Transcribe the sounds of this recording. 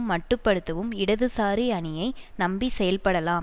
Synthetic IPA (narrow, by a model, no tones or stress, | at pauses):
mːɐʈːɯpːɐɽɯt̪ːɐʋɯmɪɽɐðɯsaːɾiɐɳɪjɐɪnɐmbisɛjɐlpɐɽɐlaːm